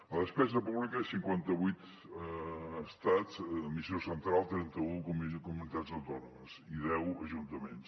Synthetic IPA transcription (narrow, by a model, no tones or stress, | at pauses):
əðəspɛzəpuβlikəsiŋkwant̪əβujt̪ | st̪azmisiosənt̪ɾalˠt̪ɾɛnt̪əukumkumunit̪azəwt̪ɔnuməziðɛwəʒunt̪əmens